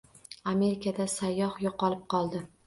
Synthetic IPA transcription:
ame̞ɾɪkʰad̪asajːɒhjoqɒlˠɪp̚qʰɒlˠd̪ɪ

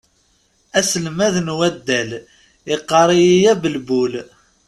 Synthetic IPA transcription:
æsəlmæðnwæd̪ːæl | iqːɑɾˤijijæbəlbul

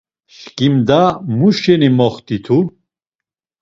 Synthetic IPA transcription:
ʃkʼimd̪amuʃɛnimɔχt̪ʰʼit̪ʰu

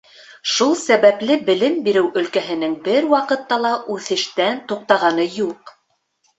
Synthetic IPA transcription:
ʃulˠsæβæpl̪ɘbɘ̆lɘmbiɾɘwʔɵ̆lkæɦɘ̆nɘŋbɘɾwɑqɤ̆t̪ːɑlˠɑʔʉθɘ̆ʃt̪ænt̪uq̚t̪ɑʁɑnɤjuq

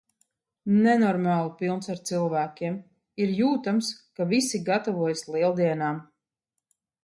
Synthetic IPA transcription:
nɛnɔɾmaːlˠupilˠnsaɾt̪silˠvæːkʲiɛm | iɾjuːt̪amskavisiɡat̪avuɔjslˠiɛlˠd̪iɛnaːm

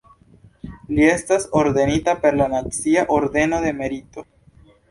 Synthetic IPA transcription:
lie̞staso̞ɾd̪e̞nitape̞ɾlanat͡siaʔoɾd̪e̞noðe̞me̞ɾito̞

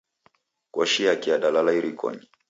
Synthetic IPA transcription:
kwɔʃiakiaɗalalaiɾikɔ̰ɲi

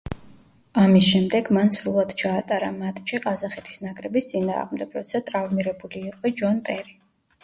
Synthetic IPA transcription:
amisʃɛmd̪ɛɡmansɾulˠad̪̥t͡ʃʰaːt̪ʼaɾamat̪ʼʃiqʼazaχɛt̪ʰi̥snakʼɾɛbist̪sʼina̰ːʁmd̪ɛbɾɔ̰t̪sʰat̪ʼɾavmiɾɛbuliːqʼɔd͡ʒɔnt̪ʼɛɾi

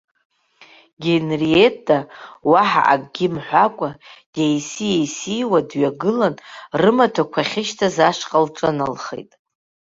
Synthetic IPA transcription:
ɡʲenrietʼːawaħa̰ʔa̰kʼɡʲɪmħʷakʷʼajejsijejsijwadɥaɡɨlanrɨmatʰakʷʰaχʲɪʃtʰazaʂqʼalʈ͡ʂʼanalχḛjtʼ

